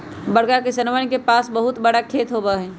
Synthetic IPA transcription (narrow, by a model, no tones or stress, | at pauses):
bəɽkakesənʋanikepaːsbəɦʊt̪bəɽakʰeːt̪ɦobaɦɛ̃ː